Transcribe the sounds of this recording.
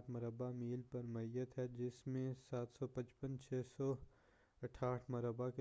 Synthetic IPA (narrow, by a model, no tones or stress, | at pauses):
ʈʰmɐɾəbamiːlpɐɾmɐijət̪ɦɛd͡ʒɪsmẽsaːt̪sɔpɐ̃t͡ʃpə̃nt͡ʃʰɛːsɔ | ɐʈʰaːʈʰmɐɾəbake